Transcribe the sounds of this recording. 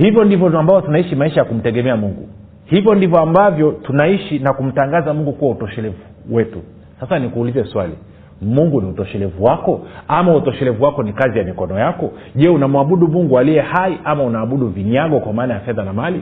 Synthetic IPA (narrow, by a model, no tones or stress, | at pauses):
hivjɔndivɔambavɔtunaiʃimaiʃajakum̩tɛɠɛmɛamuŋɡṵ | hivjɔndivɔambavjɔtunaiʃinakum̩taŋɡazamuŋɡukuwautɔʃɛlɛvu | wɛtu | sasanikuːlizɛswalḭ | muŋɡuniutɔʃɛlɛvuwakɔamautɔʃɛlɛvuwakɔnikazijamikɔnɔjakɔ | ʄɛunamuaɓuɗumuŋɡualijɛhaiʔamaunaːɓuɗuviɲaɠɔkwamaːnajafɛðanamali